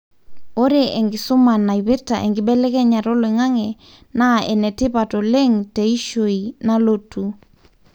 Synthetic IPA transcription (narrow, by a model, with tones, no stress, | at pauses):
o˦ɾe˨ʔɛ˨ŋɡɪ˨sʊ˦ma˨na˨i˨βi˦ɾta˨ʔḛ˨ŋɡɪ˨ɓɛ˦lɛ˦kɛ˦ɲa˨ɾo˦le˨ŋa˦ŋɛ˨ | na˦ɛ̰˨nɛ˨tɪ˦pa˨tɔ˨le˦ŋte˨i˦ʃo˨ina˦lo˦tʰu˨